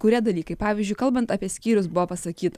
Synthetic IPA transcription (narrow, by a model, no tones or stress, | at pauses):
kʊɾʲiɛd̪ɐlʲiːkɐɪpɑːʋʲiːzʲd͡ʒʲʊɪkɐlˠbɐnt̪ɐpʲiɛsʲkʲiːɾʲʊsbʊʋoːpɐsɐkʲiːt̪ɐ